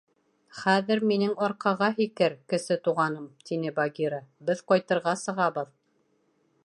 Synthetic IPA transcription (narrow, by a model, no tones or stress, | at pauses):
χæðɘɾminɘŋɒɾqɑʁɑɦikɘɾkɘ̆sɘt̪uʁɑnɤmt̪inɘbaɡʲiɾəbɘðqɒjt̪ɤ̆ɾʁɑsɤ̆ʁɑbɤð